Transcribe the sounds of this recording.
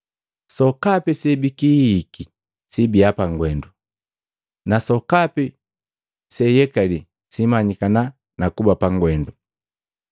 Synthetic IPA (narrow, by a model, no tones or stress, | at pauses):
sɔkapisɛbikiːki | sibiapaŋɡwɛndu | nasɔkapi | sɛjɛkali | simaɲikana | nakubapaŋɡwɛndu